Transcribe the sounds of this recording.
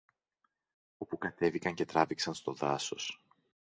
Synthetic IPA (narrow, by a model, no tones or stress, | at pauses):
o̞pukɐt̪e̞vikɐɲce̞t̪ɾɐviksɐnst̪o̞ðɐso̞s